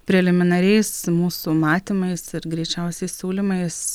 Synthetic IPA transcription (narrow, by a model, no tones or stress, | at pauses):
pʲɾʲɛlʲɪmʲɪnɐɾʲɛɪsmuːsumɑːt̪ʲimɐɪsɪɾɡɾʲɛɪt͡ʃʲɛʊsʲɛɪssʲuːlʲimɐɪs